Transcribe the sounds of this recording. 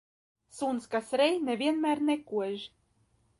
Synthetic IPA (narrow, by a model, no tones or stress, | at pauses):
sunskasɾɛjnevʲiɛnmʲæːɾnekuɔʒ